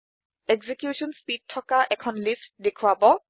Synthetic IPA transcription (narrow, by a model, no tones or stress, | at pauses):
eɡzekjuʃɔnspid̚tʰːɔkaʔɛkʰɔnlistdekʰuabɔ